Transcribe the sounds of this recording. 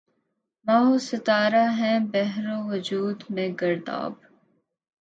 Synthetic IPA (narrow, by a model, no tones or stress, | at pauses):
maːɦoːsɪt̪aːɾaɦɛ̃bɛɦɾõʋʊd͡ʒuːd̪mẽːɡɐɾd̪a̰ːb